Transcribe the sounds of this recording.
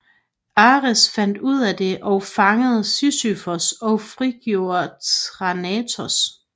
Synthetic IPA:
ɑ̈ːʁəsfæn̰d̥uð̰ˠæd̥e̝ʔɒʊfɑ̈ŋəð̞̩ˠsysyfɐsɒ̽ʊfʁiɡ̥jo̝ɐt͡sʰʁɑnɛt͡sʰɒs

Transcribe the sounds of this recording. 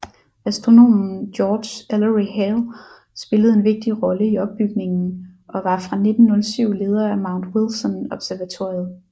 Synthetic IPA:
æsd̥ʁo̝no̝̰ːmn̩d̥jɒːd̥æləʁiɦel | sb̥e̝ləð̞̩ˠe̝nʋe̝ɡ̥̚d̥iʁɒ̽ləiɒ̽b̥ːyɡ̥ne̝ŋn̩ʔɒ̽ʋɑ̈fʁɑ̈ne̝d̥n̩ːɔ̽lsyʊ̰le̝ːð̞ˠɐæmɑ̈ʊnd̥wilsɒnɒ̽b̥sæɐʋæt͡sʰo̝̰ɐjð̩ˠ

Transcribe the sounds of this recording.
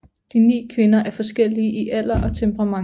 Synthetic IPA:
d̥inḭːkʰʋe̝nɐʔæɐfɒ̽sɡ̥el̰iəʔiʔæl̰ɐʔɒ̽t͡sʰempʰəʁɑ̈mɑ̈

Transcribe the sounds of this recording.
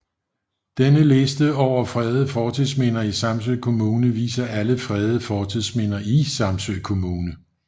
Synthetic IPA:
d̥enəle̝sd̥əɒʊ̰ɐfʁɛð̞ˠəfɒːt͡sʰiðˠsmenɐisɑ̈msøɪ̰kʰo̝muːnəʋḭːsɐʔæləfʁɛːð̞ˠəfɒːt͡sʰiðˠsmen̰ɐisɑ̈msøɪ̰kʰo̝muːnə

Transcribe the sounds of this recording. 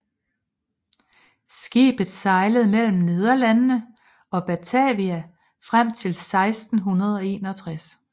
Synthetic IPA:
sɡ̥ḭːb̥ð̩ˠsɑ̈ɪləð̞̩ˠmel̰m̩ne̝ð̞ˠɐlænnə | ɒ̽b̥æt͡sʰɛʋiæ | fʁam̰t͡sʰe̝lsɑ̈ɪsd̥n̩ɦunɐð̞̩ˠɒ̽e̝̰ːnɒ̽t͡sʰʁas

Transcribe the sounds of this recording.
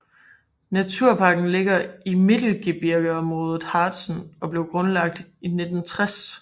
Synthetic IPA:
næt͡sʰuɐ̰pʰɑ̈ɡ̥n̩le̝ɡ̥ɐime̝d̥l̩ɡ̥ib̥iɐɡ̥əɒ̽mʁɔ̽ːð̞ˠð̩ˠhɑ̈ːd̥sn̩ɒ̽b̥le̝ʊɡ̥ʁɔ̽nlɑ̈ɡ̥̚d̥ine̝d̥n̩t͡sʰʁas

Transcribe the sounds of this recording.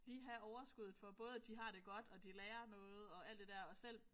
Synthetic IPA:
liːɦæɒʊɐsɡ̥uð̰ˠð̩ˠfɒ̽b̥ɔ̽ːð̞ˠd̥iɦɑ̈ɾ̥e̝ɡ̥ɒ̽d̥ɒ̽d̥ilɛːɐnɔ̽ːð̞̩ˠɒ̽æl̰d̥e̝d̥æɐ̰ɒ̽sel̰

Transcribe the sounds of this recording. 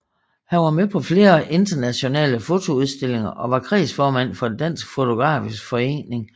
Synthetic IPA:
hænʋɑ̈mepʰɒ̽fle̝ːɐʔe̝nd̥ɐnæɕo̝nɛ̰ːləfo̝t͡sʰo̝uð̞ˠsd̥e̝le̝ŋɐʔɒ̽ʋɑ̈kʰʁɛ̰ːsfɒːmæn̰fɒ̽d̥æn̰sɡ̥fo̝t͡sʰo̝ɡ̥ʁɑ̰̈ːfisɡ̥fɒ̽e̝̰ːne̝ŋ

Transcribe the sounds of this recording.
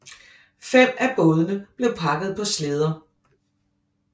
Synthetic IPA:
fem̰æb̥ɔ̽ːð̞ˠənəb̥le̝ʊpʰɑ̈ɡ̥əð̞̩ˠpʰɒ̽sleð̞ˠɐ

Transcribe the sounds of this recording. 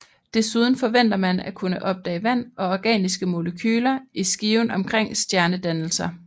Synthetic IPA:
d̥e̝suð̞ˠn̩fɒ̽ʋen̰d̥ɐmænækʰunəʔɒ̽b̥̚d̥ɛ̰ːʋæn̰ɒ̽ɒɡ̥ɛ̰ːnisɡ̥əmo̝ləkʰyːlɐʔisɡ̥iːʊn̩ɒ̽mkʰʁeŋ̰sd̥jæɐnəd̥ænl̩sɐ

